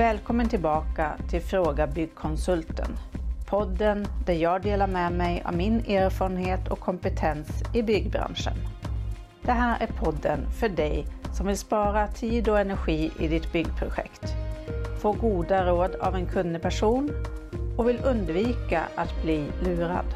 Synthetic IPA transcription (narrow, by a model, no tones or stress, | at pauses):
vɛːlkʰɔmːənt̪ʰɪlbɑːkat̪ʰɪlfɾoːɡabʏɡkʰɔnsɵlt̪ʰə̰npʰɔd̪ːənd̪̥æɾjɑːɡd̪eːlaɾmɛmɛjɔ̰mːɪneːɾfɑːɾənheːt̪ʰɔ̰kʰːɔmpət̪ʰɛnsɪbʏɡːbɾa̰nʂə̰n | d̪̥ɛɦæːɾæɾpʰɔd̪ːə̰nfœɖɛjsɔmvɪlspɑːɾat̪ʰiːd̪ɔɛnæɾɧiːʔɪ̰d̪ɪt̪bʏɡːpʰɾʊɧɛ̰kt̪foːɡuːd̪aɾoːd̪a̰vɛnkʰɵnd̪əpʰæʂuːnɔvɪlɵnd̪viːka̰ʔat̪bliːlʉːɾa̰d̪